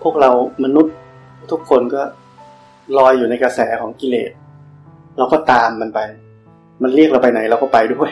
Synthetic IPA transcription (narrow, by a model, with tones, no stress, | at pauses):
pʰu˥˩ək̚ɾa˧wma˧nu˦˥t̪̚ | t̪ʰːu˦˥kʰːo˧nkɔː˥˩ | lɔː˧jːuː˨˩na˧jka˧sɛː˩˦kʰɔː˩˦ŋki˧lḛː˨˩t̪̚ | ɾa˧wkɔː˥˩t̪aː˧mːa˧npa˧j | ma˧nli˥˩k̚ɾa˧wpa˧jna˩˦jɾa˧wkɔː˥˩pa˧jdu˥˩əj